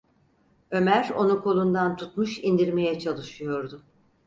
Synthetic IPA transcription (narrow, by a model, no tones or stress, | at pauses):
ø̞mæɾo̞̰nukʰo̞lˠund̪ant̪ʰut̪muʃind̪iɾme̞jɛt͡ʃʰalˠɯʃɯjo̞ɾd̪ʊ